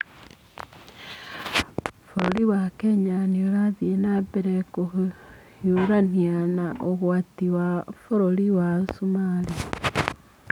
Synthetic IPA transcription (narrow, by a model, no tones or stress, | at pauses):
foɾoliwakeɲanioɾaðienabeɾeko | juɾanianaʔoɣwatiwafoɾoliwasumaːli